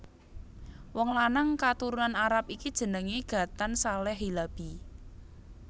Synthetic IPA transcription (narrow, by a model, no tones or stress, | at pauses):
wɔŋlanəŋkat̪uɾunanaɾap̚ikid̥ʒ̥ə̤nəŋiɡ̥ä̤t̪ansalɛɦilab̥i